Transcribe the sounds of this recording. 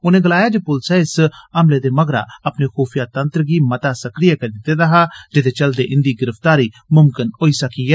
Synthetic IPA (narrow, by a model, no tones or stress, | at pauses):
ʊnẽɡɐlaːjad͡ʒepʊlsɛɪsɐmled̪emɐɡɾa̰ɐpnexoːpʰijat̪ɐ̃nt̪ɾɡimɐt̪asɐkɾɪjakɐɾd̪ɪt̪ed̪aɦad͡ʒɪd̪et͡ʃɐld̪eʔɪ̃nd̪iɡɪɾəft̪aːɾi | mʊmkɪnɦoːisɐkiɛː